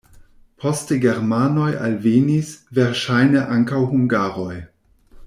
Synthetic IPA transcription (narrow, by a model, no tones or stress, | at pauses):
pʰosteɡeɾmanoja̰lvenisveɾʃajneʔaŋkawhuŋɡaːɾoj